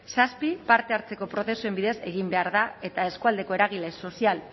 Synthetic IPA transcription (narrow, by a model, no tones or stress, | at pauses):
saspipaɾt̪eaɾt͡se̞ko̞pɾo̞θe̞sue̞mbiðe̞se̞ɣimbe̞aɾðae̞t̪ae̞skuald̪e̞ko̞e̞ɾaɣ̞ile̞so̞sial